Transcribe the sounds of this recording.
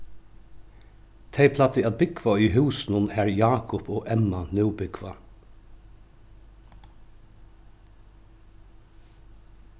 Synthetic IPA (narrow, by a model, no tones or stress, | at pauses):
t̪ʰeɪpʰlat̪ɪat̪̚bɪkʋaʏːɦʉːsnʊnæːɹjɑːkʰʊpʰoːɛmanʉwbɪkʋa